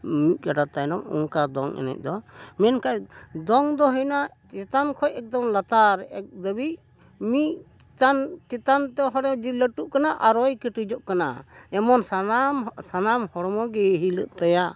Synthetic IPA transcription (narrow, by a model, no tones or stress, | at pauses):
mic̪̚ˀkaɖat̪ajnɔmṵŋkad̪ɔŋʔɛ̰nɛ̰c̚ˀd̪ɔmɛnkajd̪ɔŋd̪ɔɦəjna | t͡ʃɛt̪ankʰɔjɛk̚d̪ɔmlat̪aɾɛʔɛk̚d̪əbic̚ | miʔ | ant͡ʃɛt̪ant̪ɛɦɔɽd͡ʒiləʈuʔkanaʔaɾɔjkəʈud͡ʒɔʔkana̰ɛmɔnsamsanamhɔɽɔmɔɡɛɦilə̰ʔ̚t̪aja